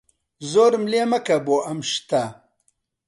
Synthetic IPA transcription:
zoːɾmleːmɐkɐboʔɐmʃt̪a

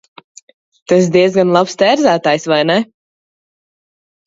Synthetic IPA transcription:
t̪as̬d̪iɛzɡanlˠapst̪æːɾzæːt̪aːjsvajnɛ

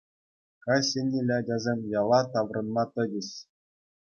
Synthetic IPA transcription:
kɑsʲenʲːelʲædʲɑzʲemʲjɑlˠɑt̪ɑʋrɤ̆nmɑt̪ɤ̆dʲɘ̆ɕ

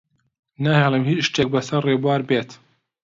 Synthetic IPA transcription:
naːhɛlˠəmhiːt͡ʃʃt̪eːk̚bɐsɐɾreːbuwaːɾbeːt̪

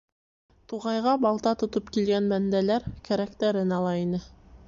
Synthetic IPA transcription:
t̪uʁɑjʁɑbɑlˠt̪ɑt̪ŏt̪opkilɡænmænd̪ælæɾkæɾækt̪æɾɘnɑlˠɑinɘ

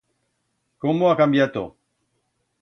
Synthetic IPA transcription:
komoakambjat̪o̰

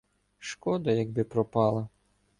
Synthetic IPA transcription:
ʃkɔd̪ɐjɐɡ̚bɪpɾɔpɑlˠɐ

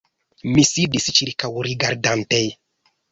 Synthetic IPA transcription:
misidist͡ʃiɾkawɾiɡaɾdantej

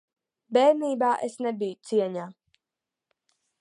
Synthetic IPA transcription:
bɛːniːbaːʔesnebijut̪siɛɲaː

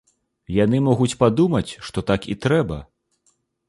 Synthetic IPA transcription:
janɨmɔɣut͡sʲpad̪umɐt͡sʲʂt̪ɔt̪akḭt̪ɾɛbɐ̰

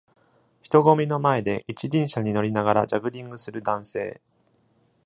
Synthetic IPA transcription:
çʲi̥t̪o̞ɡo̞mʲino̞mae̞d̪e̞ʔit͡ɕidʲĩɰ̃ɕaɲ̟ino̞ɾʲinaɡaɾad͡ʑaɡɯ̟ɾʲĩŋɡɯ̟sɨɾɯ̟d̪ãɰ̃se̞̰ː

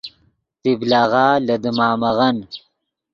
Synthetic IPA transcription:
t̪iblaːɣaːlad̪əmɑːmaɣan

